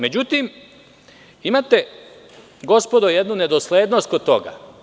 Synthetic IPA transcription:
me̞d͡ʑut̪im | imat̪e | ɡo̞spo̞d̪oje̞d̪nune̞d̪osleːd̪no̞st̪̚ko̞d̪̚t̪o̞̰ɡa̰

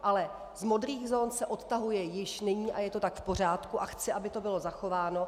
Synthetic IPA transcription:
ʔalɛ | zmo̞d̪ɾiːɣzoːnsɛʔo̞t̪t̪aɦujɛjɪʃnɪɲiːʔajɛt̪o̞t̪akfpo̞r̝aːt̪kuʔaxt͡sɪʔabɪt̪o̞bɪlo̞zaxo̞vaːno̞

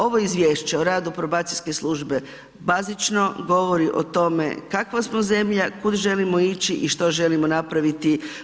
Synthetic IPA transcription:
o̞ʋoizʋje̞ːʃt͡ɕeoɾaːd̪upɾobaːt̪sijske̞sluʒbe̞ | bazit͡ʃno̞ɡo̞ʋoɾiʔo̞̰t̪o̞me̞̰kakʋasmoze̞mʎakud̪ʒe̞limo̞it͡ɕiʔiʃt̪o̞ʒe̞limo̞napɾaʋit̪i

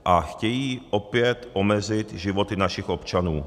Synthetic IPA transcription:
ʔaxcɛjiːʔopɪjɛt̪ʔo̞mɛzɪt̪ʒɪvo̞t̪ɪnaʃɪxʔo̞pt͡ʃanuː

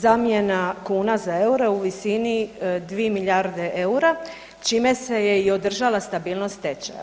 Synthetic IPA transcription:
zamje̞nakuːnazae̞uɾeuʋisinid̪ʋiemiʎaɾd̪e̞ʔeuɾa | t͡ʃime̞se̞je̞io̞d̪r̩ʒalast̪abiːlˠnost̪t̪et͡ʃa̰

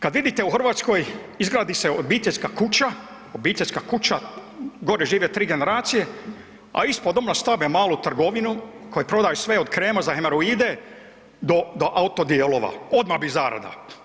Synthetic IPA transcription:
kad̪ʋid̪it̪e̞uxr̩ʋaːt̪sko̞jizɡɾaːd̪iseobiːt̪eʎʲskakut͡ɕa | obiːt̪eʎʲskakut͡ɕaɡo̞ɾeʒiːʋet̪ɾiːɡe̞ne̞ɾaːt̪sije̞ | a̰ispod̪omnast̪abemaːlut̪r̩ɡo̞ʋinuko̞jepɾo̞d̪aːjusʋeod̪kɾeːmazaxemaɾuiːd̪e̞ | d̪od̪oʔaut̪od̪ielˠoʋa̰o̞d̪mahbizaːɾa̰d̪a̰

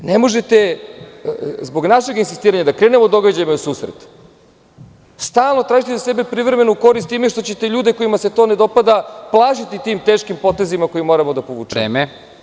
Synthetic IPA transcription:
nemo̞ʒe̞t̪e̞ | zbo̞ɡnaʃe̞ɡinsist̪iːɾaɲad̪akɾe̞ːne̞mod̪o̞ɡad͡ʑajimausuːsɾḛt̪ | st̪aːlˠnot̪ɾaːʒit̪ezasebe̞pɾivɾeme̞nuko̞ɾist̪imeʃt̪ot͡ɕe̞t̪e̞ʎuːd̪e̞ko̞imase̞t̪o̞ːne̞d̪o̞pad̪aplˠaːʃit̪it̪iːmt̪e̞ːʃkimpo̞t̪e̞zimako̞jimo̞ɾamo̞d̪apoʋṵːt͡ʃeːme

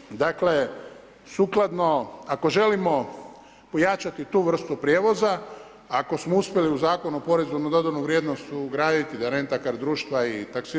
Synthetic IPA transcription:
d̪akle̞ | suklˠad̪no̞ako̞ʒe̞limo̞ | pojat͡ʃat̪it̪uːʋr̩st̪upɾjeːʋo̞zaː | ko̞smouspʲje̞liuzaːko̞nuopo̞ɾezunud̪od̪anuʋɾjed̪nost̪uɡɾaːd̪it̪id̪anent̪akaɾd̪ɾuːʃt̪ʋait̪aksi

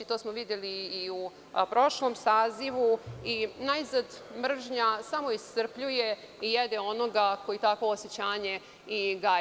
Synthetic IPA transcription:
it̪o̞ːsmoʋid̪jeliːu | pɾo̞ʃlˠo̞msaːziʋuinaizad̪mr̩ʒɲasamo̞ist̪r̩pʎuje̞ | ijed̪eo̞no̞ɡakojit̪akʋoːset͡ɕaːɲe̞ | iɡa

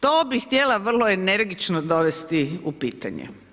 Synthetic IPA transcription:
t̪oːbixt̪jelaʋr̩loene̞ɾɡit͡ʃnod̪o̞ʋest̪iupiːt̪a̰ɲḛ

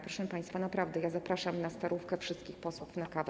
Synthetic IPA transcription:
pɾɔʂɛpaj̃st̪fanapɾavd̪ɛjazapɾaʂamnast̪aɾʔufkɛfʂɘst̪̚kʲixpɔswufnakav

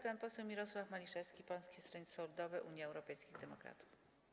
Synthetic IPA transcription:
panpɔsɛwmʲiɾɔswafmalʲiʂɛfskʲipɔl̃skʲɛst̪ɾɛɲsɔlud̪ɔvɘʔuɲjɛɛwɾɔpɛjskʲiɣd̪ɛmɔkɾa̰t̪u̥f

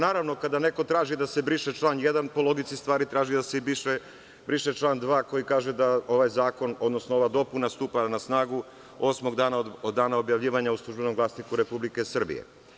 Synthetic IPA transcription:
naːɾaʋno̞kad̪ane̞kot̪ɾaːʒid̪asebɾiʃet͡ʃlaːnjed̪anpo̞lˠo̞ɡit̪sist̪ʋaːɾit̪ɾaːʒid̪aseibiʃe | bɾiʃet͡ʃlˠaːnd̪ʋaːko̞jikaːʒed̪ao̞ʋajzaːko̞no̞d̪no̞snooʋad̪o̞punast̪uːpanasnaːɡu | o̞smo̞ɡd̪aːnaod̪ːaːnaobjaʋʎiːʋaɲauslˠuʒbe̞no̞mɡlaːsnikuɾe̞publike̞sr̩bḭjḛ

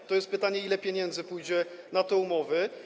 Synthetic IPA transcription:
t̪ɔjɛst̪̚pɘt̪aɲɛilɛpʲjeɲɛnd̪zɘpujd͡ʑɛnat̪ɛumɔvɘ

